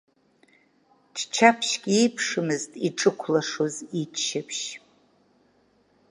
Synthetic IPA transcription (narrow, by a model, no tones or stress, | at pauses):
ʈ͡ʂʰt͡ʃʰapʰʃɡʲiipʰʂɨmɨztʼiʈ͡ʂʼɨkʷʰlaʂozit͡ʃʰʃɪpʰʃ